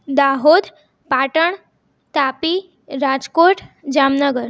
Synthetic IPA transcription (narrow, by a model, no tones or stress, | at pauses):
d̪aɦod̪ | paʈəɳ | t̪api | ɾad͡ʑkoʈd͡ʑamnəɡəɾ